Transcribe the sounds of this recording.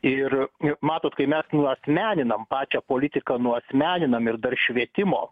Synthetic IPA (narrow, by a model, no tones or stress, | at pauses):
ɪrmɑːt̪oːt̪kɐɪmʲɛsnʊɐsʲmʲæːnʲɪnɐmpɑːt͡ʃʲɛpoːlʲɪt̪ʲɪkɐnʊɐsʲmʲæːnʲɪnɐmɪɾd̪ɐrʃʲʋʲiɛt̪ʲɪmo̰ː